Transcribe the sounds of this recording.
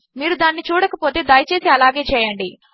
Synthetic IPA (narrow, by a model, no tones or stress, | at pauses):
miːɾud̪aːnːit͡ʃuːɽɐkɐpo̞ːt̪e̞ːd̪aːjt͡ʃe̞ːsiɐlaːɡe̞ːt͡ʃɛːjɐɳɖi